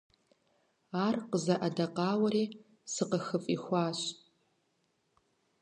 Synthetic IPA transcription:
aːrqəzɐʔadaqɑːwɐɾiː | sɨqəxəfʼixʷaːɕ

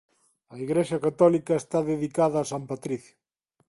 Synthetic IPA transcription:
ɐiɣɾeʃɐkat̪ɔlikɐest̪aðeðikaðɐːsampat̪ɾiθjʊ

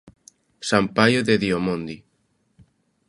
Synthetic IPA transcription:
sampajoðeðiomõnd̪i

